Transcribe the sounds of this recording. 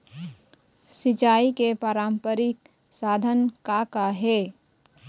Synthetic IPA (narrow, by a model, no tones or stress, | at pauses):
sɪt͡ʃaːikepaːɾãːmpəɾɪk | saːd̪ʱənkakaɦɛː